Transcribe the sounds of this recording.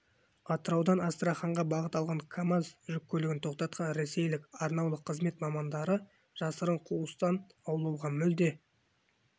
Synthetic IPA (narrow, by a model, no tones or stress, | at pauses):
ɑt̪əɾɑwd̪ɑnɑst̪ɾɑχɑɴʁɑbɑʁət̪ɑlˠʁɑŋkʰamazʒʏkʲːʰɵlɪɡʲɪnt̪ʰo̞q̚t̪ɑt̪̚qʰɑnɾese̞jlɪkɑɾnɑwlˠəqʰːəzme̞t̪mɑmɑnd̪ɑɾə | ʒ̥ɑsəɾəɴqʰuəst̪ɑnɑwlˠɑwʁɑmʏld̪e̞